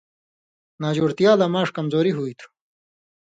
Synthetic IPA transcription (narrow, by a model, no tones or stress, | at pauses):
naːd͡ʑoːɾt̪ijaːlɐmaːʂkɐmzoːɾiɦuit̪ʰu̥